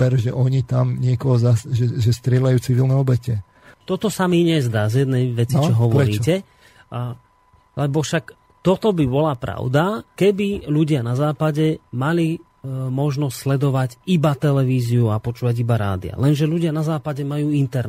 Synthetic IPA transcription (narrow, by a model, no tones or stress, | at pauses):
ɛɾʒɛʔɔɲit̪amɲɪɛkɔɦɔzasʒɛʒɛst̪ɾɪɛlajuːt͡siʋilnɛɔbɛcɛ | t̪ɔt̪ɔsamiɲɛzd̪aːzjɛd̪̚nɛjʋɛt͡sit͡ʃɔɦɔʋɔɾiːcɛ | lɛbɔfʃak | t̪ɔt̪ɔbibɔlapɾa̰ʊd̪akɛbiluɟɪanazaːpaɟɛmali | mɔʒnɔstslɛd̪ɔʋaɟibat̪ɛlɛʋiːziuapɔt͡ʃuːʋaɟibaɾa̰ːd̪ḭa̰lɛnʒɛluɟɪanazaːpaɟɛmajuːint̪ɛɾ